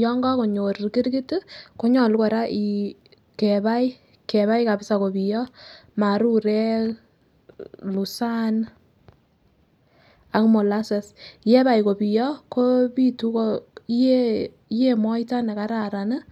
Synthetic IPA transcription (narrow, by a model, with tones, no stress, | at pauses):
jɔ˦ŋɡɔ˦ko˨ɲo˨ɾki˦ɾɡi˦tko˦ɲɔ˨lkɔ˨ɾa˦ʔi˨ | kɛ˨ba˦j | kɛ˨βa˦jka˨bɪ˦sa˨ko˨bi˨jɔ˦ma˨ɾu˦ɾɛ˦k | lu˨sa˦n | a˨kmo˨la˦se˨sjɛ˦ba˨jko˨bi˨jɔ˦ko˦pi˦tu˦ko˦je˦ | je˦mɔ˦jta˦nɛ˨ka˨˦ɾa˨ɾa˨nə˦